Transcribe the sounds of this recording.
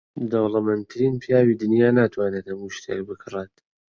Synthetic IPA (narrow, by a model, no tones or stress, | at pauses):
d̪ɔwlˠɨmɛnt̪ʰɨɾinpʰjaːwid̪ɨnjaːnaːt̪ʰwaːnet̪hɐmuʃt̪ʰḛk̚bɨkʰɨret̪